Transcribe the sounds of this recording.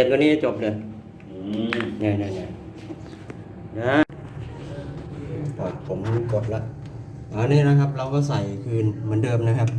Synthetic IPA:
t̪̚oː˧niː˦˥˧t͡ɕo˨˩p̚lɤː˧j | naː˧˩na˧˩na˧˩ | na˦˥ | pʰaː˨˩pʰo˩˦mhuː˧˥˩ko˨˩t̪̚la˦˥ʔ | ʔaː˧˩niː˥˩˨na˦˥kʰa˦˥p̚ɾa˧wkɔː˥˩sa˨˩jkʰɯː˧nmɯ˩˦ndɤː˧mna˦˥˩kʰa˦˥p̚

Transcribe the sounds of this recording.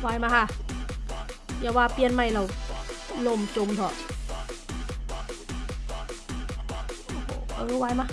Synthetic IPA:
waː˧˥jmaː˧˥kʰa˧˥˩ | jaː˨˩waː˧˩pi˧ənma˧˩jla˧˩w | lo˧˩mt͡ɕo˧˨mt̪ʰɔ˧˩˧ | ʔɤ˧˦waː˧jmaː˧˥

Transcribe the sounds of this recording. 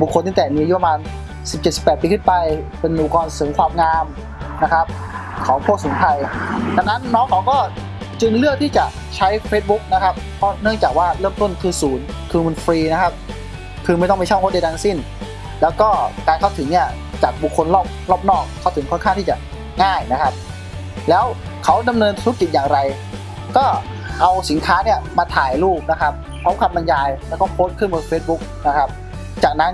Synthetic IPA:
bu˨˩kʰo˧nt̪i˥˩t̪ɛː˨˩miː˧˨ju˦˥pːa˧maː˧n | si˨˩p̚t͡ɕe˨˩t̪si˨˩pːɛː˨˩t̪̚piː˧kʰɯ˥˩npa˧j | pe˧nʔuː˨˩kɔː˧nsɤː˩˦ŋkʰwaː˧mŋaː˧m | na˦˥kʰa˦˥p̚ | kʰɔː˩˦ŋpʰu˥˩k̚suː˩˦nt̪ʰa˧jda˧ŋna˦˥nːɔː˦˥ŋkʰa˨˦wkɔː˥˩ | t͡ɕɯ˧ŋlɯ˥˩ək̚t̪ʰiː˥˩t͡ɕa˨˩ | t͡ɕʰa˦˥jfʰeː˦˥t̪̚bu˦˥k̚na˦˥kʰa˦˥p̚ | pʰɔ˦˥nɯ˥˩əŋt͡ɕaː˨˩k̚waː˥˩ɾɤː˥˩mt̪o˥˩nt̪ʰɯː˧˩suː˩˦n | kʰɯː˧mu˧nfɾiː˧na˦˥kʰa˦˥p̚ | kʰɯː˧ma˥˩j̪ɔ˥˩ma˧˥˩t͡ɕʰwkʰo˦˥˩da˧jt̪aː˧ŋsi˥˩n | lɛː˦˥wkɔː˥˩kaː˧nkʰa˥˩t̪ʰɯ˩˦ŋni˥˩ɐ | t͡ɕaː˨˩k̚bu˨˩kʰːo˧nlɔː˥˩p̚lɔː˥˩p̚nɔː˥˩k̚ʰːa˦˥˩wt̪ʰɯ˩˦kʰɔ˥˩˨nʰaː˥˩ŋt̪ʰiː˥˩t͡ɕa˨˩ | ŋaː˥˩jna˦˥kʰa˦˥p̚ | lɛː˦˥w | kʰa˦˥wda˧mnɤː˧nt̪ʰt̪ʰu˦˥k̚ki˨t̪̚jaː˨˩ŋɾa˧j | kɔː˥˩ | ʔa˧wsi˩˦nkʰaː˦˥ni˥˩ɐmaː˧t̪ʰaː˨˩jluː˥˩p̚na˦˥kʰa˦˥p̚ | pʰɔ˦˥kʰa˧m̚ma˧njaː˧jlɛː˦˥wkɔː˥˩pʰoː˦˥t̪̚kʰɯ˥˩mɯː˧feː˦˥t̪̚bu˦˥k̚na˦˥kʰa˦˥p̚ | t͡ɕaː˨˩k̚na˦˥n

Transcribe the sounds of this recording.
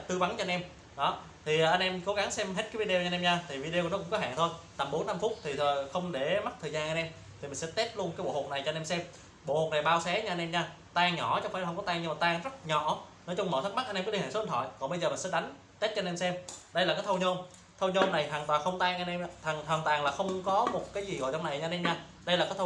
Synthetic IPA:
t̪ɨ˧va˨˦nt͡ɕɔ˧nʔɛ˧m | ɗɔ˨˦ | t̪ʰi˨˩˨ʔa˧jnʔɛ˧mko˨˦ɣa˨˦ŋsɛ˧mɦe˦˥t̚kːa˨˦vi˧ɗe˧nʔɛ˧mɲaː˧t̪ʰi˨˩vi˧ɗe˧˩n˨˦kʊ˧˥ŋ͡mkɔ˨˦ɦa̰ː˧˨ŋt̪ʰo˧jt̪a˨˩mɓo˨˦nːa˧mfʊ˦˥t̚t̪ʰi˨˩˨xə˧wŋ͡mɗe˧˩ma˦˥t̪ʰəː˨˩jzaː˧nʔa˧nʔɛ˧m | t̪ʰi˨˩mï˨˩sɛ̰˧˥t̪e˦˥t̚lu˧ənkaː˨˦jɓo̰˧˨ho˨˩k̚na˨˩jt͡ɕɔ˧nʔɛ˧msɛ˧m | ɓo̰˧˨ho˨˩k̚na˨˩jɓaː˧wsɛ˨˦ɲa˧nʔɛ˧mɲaː˧˩ | t̪aː˧ŋɲɔ̰˧˩t͡ɕɔ˧˦wfaː˧˩˨hwkɔ˨˦t̪aː˧ŋɲɨ˧ŋ͡mmaː˨˩t̪aː˧˩ŋzə˦˥t̚ɲɔ̰˧˩nɔ˨˦jt͡ɕʊ˧ŋ͡mməː˧˩t̪̚ʰm̚˦˥ʔa˧jnʔɛ˧kːli˧˨hːsnt̪ʰɔ̰˧˨jkɔ˨˩nɓə˧jzəː˨˩mï˨˩ŋsɛ˧˥˦ɗa˨˦jŋ̟ | t̪e˦˥t̚t͡ɕɔ˧nɛ˧msɛ˧mɗə˧jlaː˨˩kaː˨˦jt̪ʰə˧wɲo˧m | t̪ʰə˧wɲo˧mna˨˩jt̪waː˨˩ŋt̪waː˨˩xə˧wŋ͡mt̪aː˧ŋʔa˧nʔɛ˧ma˧t̪ʰa˨˩ŋt̪ʰwaː˨˩ŋt̪waː˨˩ŋlaː˨˩xə˧wŋ͡mkɔ˨˦mo˨˩t̚kaː˨˦jzi˨˩ɣo̰˧˨jt͡ɕɔ˧wŋ͡mna˨˩jɲa˧nɛ˧mɲaː˧ | ɗə˧jlaː˨˩kaː˨˦jt̪ʰə˧

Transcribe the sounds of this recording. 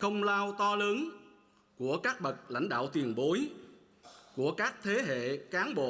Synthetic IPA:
xə˧wŋ͡mlaː˧wt̪ɔ˧ləː˨˦n | ku˧˩əkaː˦˥k̚ɓə˨˩t̚la̰˧˥jŋ̟ɗa̰ː˧˨wt̪wi˨˩ənɓo˨˦j | ku˧˩əkaː˦˥k̚t̪ʰe˨˦ɦḛ˧˨kaː˨˦nɓo̰˧˨

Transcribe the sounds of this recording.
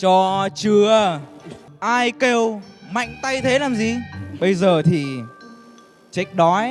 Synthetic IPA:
t͡ɕɔ˧t͡ɕɨ˧ə | ʔaː˧jke˧wma̰˧˨jŋ̟t̪a˧jt̪ʰe˨˦laː˨˩mzi˨˩ɓə˧jzəː˨˩t̪ʰi˨˩ | t͡ɕa˦˥k̟̚ɗɔ˨˦j

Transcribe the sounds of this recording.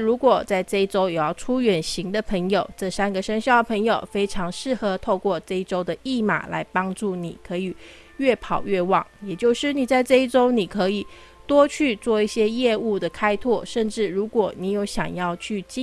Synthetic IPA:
ɻu˧˥kwɔ˨˩t͡sa˥˧ɪʈ͡ʂɤ˥˧i˥˩ʈ͡ʂo˥ʊjo˨˩jɑ˥˩ʊʈ͡ʂʰu˥ɥɛ˨˩nɕi˧˥ŋd̪ə˨pʰə˧˥ŋjo˨˩ʊʈ͡ʂɤ˥˩sa˥nɡə˨ʂə˥ŋɕjɑ˥˩ʊd̪ə˩pʰɤ˧˥ŋjo˨˩ʊfe˥ɪʈ͡ʂʰɑ˧˥ŋʂɻ̩˥˩xɤ˧˥t̪ʰo˥˧ʊkwɔ˥˧ʈ͡ʂɤ˥˧i˥˩ʈ͡ʂo˥ʊd̪ə˨i˥˩ma̰˨˩la̰˧˥ɪpɑ˥ŋʈ͡ʂu˥˩ni˨˩kʰɤ˧˥i˨˩ | ɥɛ˥˩pʰɑ˨˩ʊɥɛ˥˩wɑ̰˨˩˦ŋjɛ˨˩t͡ɕjo˥˧ʊʂɻ̩˥˩ni˨˩t͡sa˥˧ɪʈ͡ʂɤ˥˧i˥˩ʈ͡ʂo˥ʊni˨˩kʰɤ˧˥i˨˩ | t̪wɔ˥t͡ɕʰy˥˧t͡swɔ˥˧i˥˩ɕjɛ˥jɛ˥˧u˥˩d̪ə˩kʰa˥ɪt̪ʰwɔ˥˩ʂə˥˧nʈ͡ʂɻ̩˥˩ɻu˧˥kwɔ˨˩ni˧˥jo˧˥ʊɕjɑ̰˨˩ŋjɑ˥˧ʊt͡ɕʰy˥˩t͡ɕ

